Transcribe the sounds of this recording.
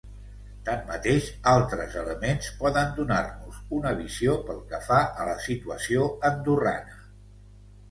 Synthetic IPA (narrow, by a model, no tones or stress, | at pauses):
t̪amːət̪eʃalˠt̪ɾəzələmenspɔðənd̪unarnuzunəβiziopəlˠkəfaʔələsit̪uəsioənd̪ura̰nə